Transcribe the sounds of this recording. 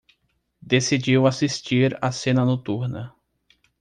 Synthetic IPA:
d̪esid͡ʒiwasist͡ʃiɾa̰sẽnɐnot̪uɾnɐ

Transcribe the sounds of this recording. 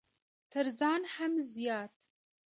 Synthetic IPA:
tʰɨɾzɑːnħɐmzijɑːtʰ

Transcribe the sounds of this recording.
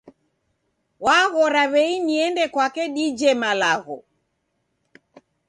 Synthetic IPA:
waɣɔɾaβɛiniɛndɛkwakɛɗid͡ʒɛmalaɣɔ

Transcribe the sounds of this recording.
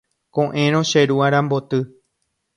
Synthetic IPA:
kõʔẽɾõʃeɾuaɾ̃ãmbo̞t̪ɨ

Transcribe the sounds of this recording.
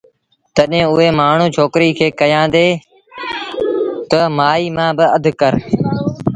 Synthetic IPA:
t̪əɗɦẽːʊɦeːmaːɳ̤ũːt͡ʃʰoːkɾiːkʰeːkəjãːd̪eː | t̪əmaːiːmãːbɪəd̪ʱkəɾ

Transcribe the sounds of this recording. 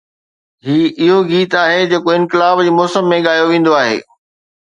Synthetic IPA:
ɦiːʔɪɦoɡiːt̪aːɦed͡ʑeːkoɪ̃nkɪlaːbd͡ʑiːmɔːsəmːẽɠaːjoʋẽːn̆d̪oaːɦḛː

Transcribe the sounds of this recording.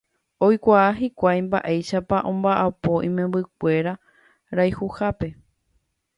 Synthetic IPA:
o̞jkʷaaɦikʷajmba̰ʔejʃapaʔõ̞mbaʔapo̞ʔĩmẽmbɨk̚ʷe̞ɾa | ɾajhuhape̞

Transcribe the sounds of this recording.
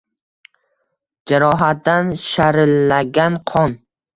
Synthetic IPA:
d͡ʒaɾɒɦat̪̚d̪anʃaɾɪlːaɡʲanqʰɒn

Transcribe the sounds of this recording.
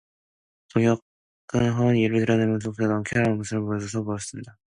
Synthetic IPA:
toŋjʌk͈̚ | ɯnɦʌnjeɾɯɭtɯɾjʌnemjʌnsʰokʰenʌmkʰeaamusʰɯɾɯɭpoʌs̬ʰʌsʰʌpojʌs͈ɯmɲida

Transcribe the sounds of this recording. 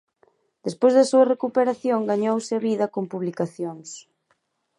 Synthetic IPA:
d̪̥espojzðɐsuɐrekupeɾaθjoŋɡaɲowsɪaβiðɐkompuβlikaθjoŋs

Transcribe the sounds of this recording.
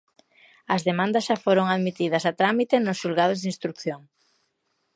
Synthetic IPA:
ɐzðemãnd̪ɐsʃafoɾoŋaðmit̪iðɐsat̪ɾamit̪enʊsʃulɣað̞ozðinst̪ɾukθjoŋ

